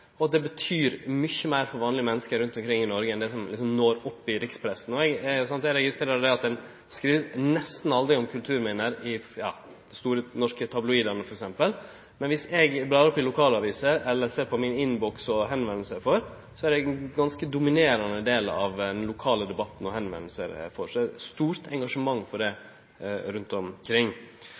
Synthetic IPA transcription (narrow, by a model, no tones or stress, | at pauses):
ɔɑt̪̚d̪ɛbət̪ʰyːɾmʏçəmæɪɾfɔɾʋɑːnlɪɡəmɛnːəskəɾʉnt̪ɔmkʰɾɪŋːɪnɔɾɡəɛnd̪ɛsɔmlɪksɔmnoːɾɔpːɪɾɪkspʰɾɛsn̩ɔɛɡsɑnt̪ɛɾɛɡɪst̪ɾeːɾəɾd̪ɛɑt̪̚d̪ɛn | skɾiːʋənɛst̪n̩ɑld̪ɾɪɔmkʰʉlt̪ʰʉːɾmɪnəɾɪjɑ̰ː | d̪̥ɛst̪uːɾənɔʂkət̪ʰɑblʊiːd̪ɑnəfɔɾɛksɛmpəl | mɛnʋɪsɛɡbɾɑːɾɔpːɪlʊkʰɑːləɑʋiːsəɾɛlːəɾseːɾpʰɔmɪnɪnːbɔksɔɦɛnʋɛnl̩səɾfɔɾ | sɔæɾɛɡɡɑnskəd̪ʊmɪneːɾɑnəd̪eːlɑ̰ʋd̪ɛnlʊkʰɑːləd̪ɛbɑt̪n̩ɔhɛnʋɛ̰nlsə̰ɾ̰fɔɾsɔæɾɛst̪uːɾt̪ʰɛŋɡɑʂəmɑŋːfɔɖɛ | ɾʉnt̪ɔmkʰɾɪŋː